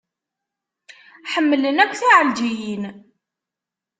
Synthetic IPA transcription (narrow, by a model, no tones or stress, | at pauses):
ħəmːələnækʷːθiʕəld͡ʒijin